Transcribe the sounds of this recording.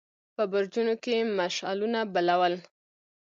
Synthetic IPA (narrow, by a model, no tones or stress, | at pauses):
pəbʊɾd͡ʒunokemaʃɑ̰lunabalawəl